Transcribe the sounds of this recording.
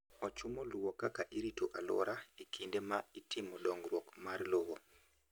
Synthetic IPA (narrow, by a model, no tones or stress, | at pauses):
ɔt͡ʃumɔluwɔkakaʔiɾitoʔalɔ̰ɾaikʰindemaitʰimɔɗɔŋɡɾwɔkmarlowo